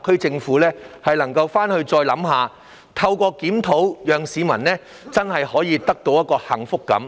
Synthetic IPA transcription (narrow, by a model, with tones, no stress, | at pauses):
kʰɵ˥t͡sɪ˧ŋfuː˨˥lɛː˥hɐ˨jlɐ˨˩ŋkɐ˧wfaː˥nhɵ˧ɥt͡sɔː˧jlɐ˨˥mɦaː˨ | t̪ʰɐ˧wkʷɔː˧kiː˨˥mt̪ʰo˨˥wjœː˨ŋsiː˨˧mɐ˨˩nlɛː˥ | t͡sɐ˥nhɐ˨jhɔː˨˥jiː˨˧t̪ɐ˥k̚t̪o˧wjɐ˥t̚kɔː˧hɐ̰˨˩ŋfʊ˥kːɐ̰˨˥m